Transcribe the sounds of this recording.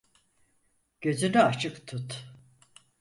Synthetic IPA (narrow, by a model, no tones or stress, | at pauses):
ɟ̥ø̞zynyat͡ʃʰɯkt̪ʰut̪